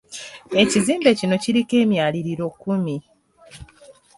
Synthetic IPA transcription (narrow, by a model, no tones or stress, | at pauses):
e̞ciziːmbe̞cino̞ciɾike̞ːmjaːliɾiɾo̞kːumi